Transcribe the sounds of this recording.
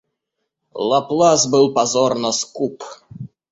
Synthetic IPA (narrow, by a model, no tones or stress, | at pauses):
lˠaplˠazbɨlˠpazɔrnəskup